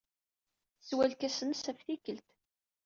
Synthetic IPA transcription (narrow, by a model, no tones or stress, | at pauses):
swælkæsənsæfθikəlt̪